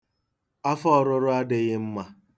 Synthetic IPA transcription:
a˦fɔ˦ɔ˨ɾʊ˦ɾʊ˦a˦dɪ˨ɣɪ˦m̩˦ma˦

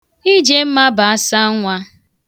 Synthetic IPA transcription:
i˦d͡ʒe˦m̩˦ma˦ba˨a˦sa˦ŋʷa˦

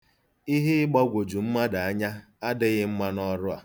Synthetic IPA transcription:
i˦ɦɪ˦ɪ˦ɡ͡bɔ˦ɡʷo˨d͡ʒu˨m̩˦ma˦da˨a˦ɲa˦ | a˦dɪ˦ɣɪ˦m̩˦ma˦nɔ˦ɾʊ˦a̰˨

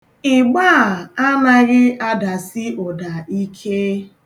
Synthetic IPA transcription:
ɪ˨ɡ͡ba˦˨a˦na˦ɣɪ˦ʔa˦da˨sɪ˦ɔ˨da˨i˦kʰe˦

